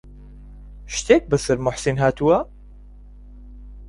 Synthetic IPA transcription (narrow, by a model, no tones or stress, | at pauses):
ʃt̪eːk̚bəsɨɾmʊħsinɦaːt̪uwɐ